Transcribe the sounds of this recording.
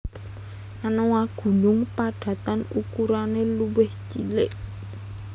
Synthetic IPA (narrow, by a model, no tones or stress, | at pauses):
ʔanowaɡ̥ṳnʊŋpaɖ̥ä̤t̪anukuɾaneluwɪht͡ʃilɪʔ